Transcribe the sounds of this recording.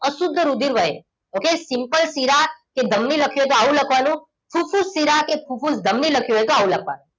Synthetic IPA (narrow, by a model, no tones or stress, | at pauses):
əsʊd̪ʱːəɾud̪ʱiɾʋəɦḛ | okesimpəlsiɾaked̪ʱəmniləkʰjuɦet̪oaʋũləkʰʋanũ | fʰufusːiɾakepʰufusd̪ʱəmniləkʰjuɦet̪oaʋũləkʰʋa̰nũ